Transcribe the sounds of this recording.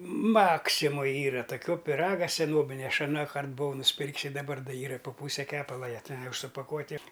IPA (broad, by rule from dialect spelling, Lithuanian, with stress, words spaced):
ˈmɑːksʲɪmoːj ˈiːrɐ toːˈkʲoː pʲɪˈrɑːɡɐ sʲɛˈnoːbʲɪnʲɛ ˈɐʃ ɐˈnɑːkɐrt bʊˈʋɐʊ nʊsʲˈpʲɪrʲkʲs ɪr dɐˈbɐr ˈiːrɐ ɪ poː ˈpuːsʲɛ ˈkʲæːpɐlˠɐ ˈjæː ˈtʲɛn ˈjɛʊ ʊʃ sʊpɐˈkuɔtʲɪ